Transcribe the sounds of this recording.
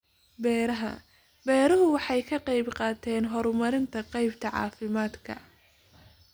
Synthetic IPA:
bɛːɾɐɦɐ̰ | bɛːɾɐɦʊwɑħɑjkʰɐqɑjbqɑːt̪ʰɛːnɦɔɾmɐɾɪnt̪ʰɐqɑjbt̪ʰɐʕɑ̰ːfɪmaːd̪kʰɐ̰

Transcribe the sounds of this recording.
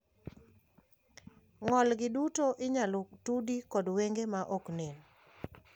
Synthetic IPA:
ŋɔlɡɪdutoʔɪɲalʊktudikɔdweŋɡemaʔɔknen

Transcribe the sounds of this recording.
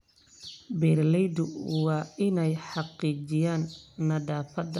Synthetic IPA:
bɛːrlɛjd̪ʊwɑːɪnɛjħɑqiːt͡ʃɪjaːnːɐdaːfɐd̪

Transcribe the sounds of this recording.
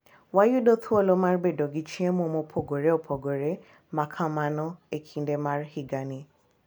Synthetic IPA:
wajudɔtʰuolomãɾɡ͡bedɔɡit͡ʃĩɛmõmõpʰoɡoɾeɔpʰɔɡoɾe | mãkʰãmãnɔ̃ekʰin̩demãɾhiɡanĩ

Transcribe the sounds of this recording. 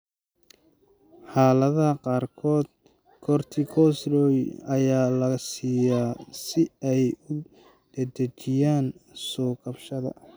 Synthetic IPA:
ħɑːlɐðɐɐqɑːrkʰɔːd̪̚ | kʰɔrt̪ʰikʰɔsrɔjɐjaːlɐsiːjaːsɪɛjʊ | d̪̥ɐd̪ɐt͡ʃɪjaːnsɔːkɐbʃɐðɐ̰

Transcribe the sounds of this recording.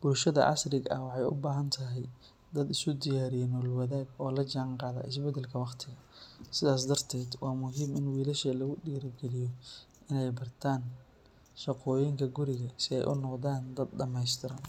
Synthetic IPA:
b̥ʊlʃɐðɐ̰ʔɑ̰srɪɡɐ̰wɑħɑjʊ̰baːɦɐnt̪ʰɐɦɛj | d̪ɐd̪ɪsʊd̪ɪjaːɾɪjɛnɔːlwɐðaːɡɔːlɐt͡ʃaːɴqɑːðɐ̰ʔɪsbɛd̪ɛlkʰɐwɑqt̪ʰɪɣɐsɪðaːs̬d̪ɐrt̪ʰɛːd̪wɑːmʊɦiːmɪnwiːlɐʃɐlɐɣʊɗiːɾɡɛlɪjɔ | ʔɪnɛjbɐrt̪ʰaːn | ʃɑqɔːjɪŋkʰɐɡʊɾɪɣɐsɪɛ̰jʔʊ̰nɔqðaːnd̪ɐd̪̚ɖɐmɛjst̪ʰɪɾɐn

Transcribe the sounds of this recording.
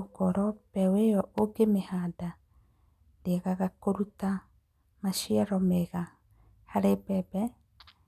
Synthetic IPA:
okɔɾɔpɛwejɔʔoɡemehada | ndeɣaɣakoɾuta | maʃiaɾɔmeɣa | haɾebɛbɛ

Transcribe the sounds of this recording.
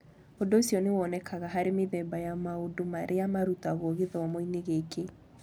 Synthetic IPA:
ondoːsjɔnewɔːnɛkʰaɣaɦaɾemeðɛbajamaodomaɾʔeamaɾutaɣwɔɣeðɛɔmoineɣekʰe

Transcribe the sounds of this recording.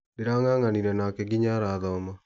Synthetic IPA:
deɾaŋaŋaniɾɛnakɛɡiɲaɾaːðɔːma

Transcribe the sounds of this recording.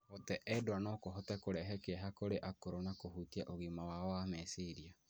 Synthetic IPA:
hɔtɛʔɛdoanɔkoɦɔtɛkoɾɛɦɛkeaɦakoɾeʔakoɾonakohutiaʔoɣimawawamɛseɾia

